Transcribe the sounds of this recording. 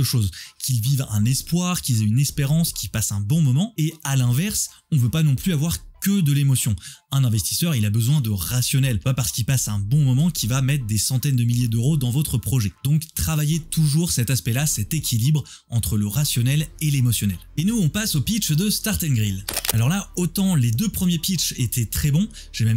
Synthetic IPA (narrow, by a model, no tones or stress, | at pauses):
əʃozkʲʰilvivɛ̰̃nɛspwaʁkʲilzɛynɛspeʁɑ̃skʰʲipasɛ̃bɔ̃mɔmɑ̃ealɛ̃vɛʁs | ɔ̃vøpanɔ̃plyavwaʁkʲəd̪əlemɔsjɔ̃ɛ̃nɛ̃vɛst̪i̥sœʁilabəzwɛ̃d̪əʁasjɔnɛlpapaʁsə̥kilpasɛ̃bɔ̃mɔmɑ̃kʲivamɛt̪χəd̪esɑ̃t̪ɛnd̪əmiljed̪øʁod̪ɑ̃vɔt̪χəpχɔʒɛd̪̥ɔ̃kt̪χavajet̪uʒuʁsɛt̪aspɛlasɛt̪ekʲʰilibʁ | ɑ̃t̪χələʁasjɔnɛlelemɔsjɔnɛlenuɔ̃pasopit͡ʃd̪əst̪aʁt̪ɛ̃nɡʁilalɔʁlaot̪ɑ̃led̪øpχəmjepit͡ʃet̪ʰɛt̪χɛbɔ̃ | ʒ̥emɛm